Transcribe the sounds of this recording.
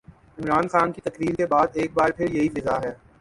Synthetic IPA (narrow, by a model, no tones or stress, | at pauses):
ɪmɾaːnxaːnkit̪ɐkɾiːɾkebaːd̪eːk̚baːɾpʰɪɾjɐɦifɪzaɦɛː